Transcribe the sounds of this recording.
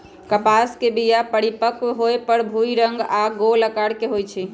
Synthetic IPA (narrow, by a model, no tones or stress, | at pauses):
kəpaskebijapəɽipəkɦoepəɾbʱuiɾəŋɡaɡoləkaɽkeɦojt͡ʃʰi